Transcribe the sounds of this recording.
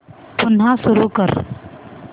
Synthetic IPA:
ʊnɦãsʊɾukəɾ

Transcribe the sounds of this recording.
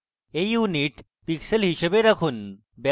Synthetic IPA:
ejuniʈ | piksəlɦiɕəbeɾɐkʰuːn | ba

